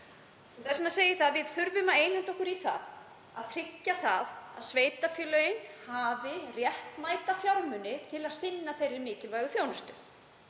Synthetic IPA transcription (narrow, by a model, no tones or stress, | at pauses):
ɛθɛsnaseːjɪθaaðvɪð̥θʏɾvʏmaeːjnhant̪ɔhkʏɾiθa̰ð | aðt̪ʰɾɪcːaθaðaðsveːjt̪afɪlœjnhaːvɪrjɛht̪maːjt̪afjawɾmʏnɪt̪ʰɪlaðsɪnːaθejrɪɾmɪːcɪlvaːjɣʏθjownʏst̪ʏ